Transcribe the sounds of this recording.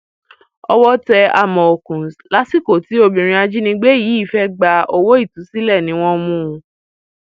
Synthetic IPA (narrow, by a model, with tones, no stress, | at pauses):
ɔ˧wɔ˦tɛ˧a˧mɔ̃˨o˨kũ˨sla˨˦si˦˨ko˨ti˨˦o˧bĩ˨ɾ̃ĩ˧a˧d͡ʒi˦nĩ˧ɡ͡be˦ji˨˦i˦˨fɛ˦ɡ͡ba˧o˧wo˦i˦˨tu˨˦si˦lɛ˦˨nĩ˨˦w̃ɔ̃˦mũ˦˨˧